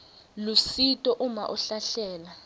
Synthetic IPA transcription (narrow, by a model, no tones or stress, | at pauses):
lusitʼɔʔuma̰ʔuɬaɬɛːla